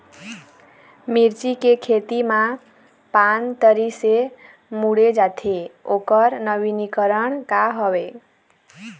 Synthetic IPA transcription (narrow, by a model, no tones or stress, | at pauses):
miɾt͡ʃikekʰet̪ima | pant̪əɾise | muɽed͡ʒat̪ʰeokəɾnəbinikəɾəɳkaɦɔbe